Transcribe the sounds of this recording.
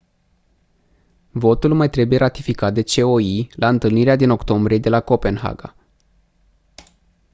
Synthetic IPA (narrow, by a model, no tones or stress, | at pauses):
vo̞t̪ulmajt̪ɾe̞buje̞ɾʔat̪ifikat̪̚d̪e̞t͡ʃe̞o̞ilaɨnt̪ɨlniɾead̪ino̞kt̪o̞mbɾije̞d̪e̞lako̞pe̞nɦa̰ɡa̰